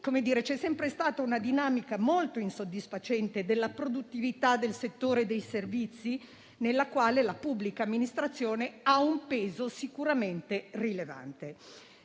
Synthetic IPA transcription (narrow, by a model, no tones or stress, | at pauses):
komed̪iːɾet͡ʃɛsːɛmpɾest̪aːt̪aunad̪inaːmikamolt̪oinsod̪ːisfat͡ʃɛnt̪ed̪elːapɾod̪ut̪ːivit̪ad̪elset̪ːoːɾed̪ejservit̪sːi | nelːakwaːlelapubːlikaːmːinist̪ɾat̪sːjoːneaumpeːzosikuɾament̪erileva̰nt̪e